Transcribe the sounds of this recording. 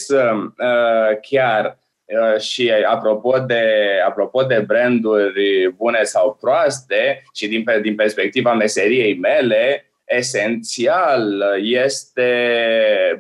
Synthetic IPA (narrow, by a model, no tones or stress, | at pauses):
səəkʲar | əʃiapɾo̞po̞d̪e̞apɾo̞po̞d̪e̞bɾend̪urʲbune̞sawpɾoast̪e̞ʃid̪inpd̪inperspe̞k̚t̪ivame̞se̞ɾije̞jme̞le̞ | ese̞nt̪sialje̞st̪e̞